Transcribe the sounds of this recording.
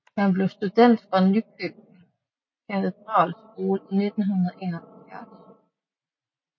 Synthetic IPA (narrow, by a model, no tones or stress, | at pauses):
hænblewst̪ud̪̥ɛnd̪̥fʁanykʰøb̩̚ | kʰæt̪ʰed̪̥ʁɑ̰ːls | oːlned̪̥n̩ɦunðˠɐʔḛːnɐɔfjɑ̰d